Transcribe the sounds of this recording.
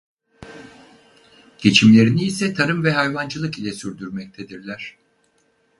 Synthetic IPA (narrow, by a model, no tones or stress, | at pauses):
ɟ̥e̞t͡ʃʰimlʲe̞ɾiniːsɛt̪ʰaɾɯmvɛɦajvand͡ʒɯlˠɯkilʲɛsyɾd̪yɾmɛc̚t̪ʰed̪iɾlʲæɾ̝̥